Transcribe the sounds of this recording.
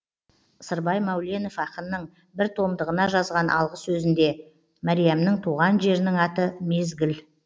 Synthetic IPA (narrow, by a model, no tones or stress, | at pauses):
səɾbɑjmɑwle̞no̞fɑqənːəɴ | bɪɾt̪ʰo̞md̪əʁənɑʒɑzʁɑnʔɑ̰lˠʁəsːɵzɪnd̪e̞ | mæɾijamnəɴt̪ʰuʁɑnʒe̞ɾɪnɪŋɑt̪əme̞zɡʲɪl